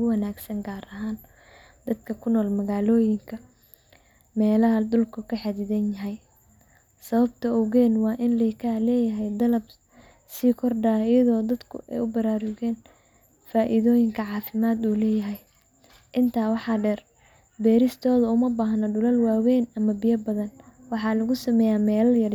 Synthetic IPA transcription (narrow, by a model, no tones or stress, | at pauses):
ʊɣʊwɐnaːɡsɐŋɡaːɾɐɦaːn | d̪̥ɐd̪kʰɐkʰʊnɔːlmɐɣaːlɔːjɪŋkʰɐ | mɛːlɐɦɐd̪ʊlkʰʊkʰɐħɑd̪ɪðɐnjɐɦɛj | sɐβɐbt̪ʰɐɔɣɛːnwɑːʔɪnlɛkʰaːlɛːjɐɦɛjd̪ɐlɐb | siːkʰɔrɖaːɪjɐðɔːd̪ɐd̪kʰʊ̰ʔɛ̰jʊbɐɾaːɾʊɣɛːn | faːʔiðɔːjɪŋkʰɐʕɑːfɪmaːd̪uːlɛːjɐɦɛj | ʔɪnt̪ʰaːwɑħɑːɖɛːr | bɛːɾɪst̪ʰɔːðɐʊmɐbaːɦɐnɐɖʊlɐlwaːwɛːnɐmɐbɪjɐbɐðɐnwɑħɑːlɐɣʊsɐmɛːjaːmɛːlɐjɐr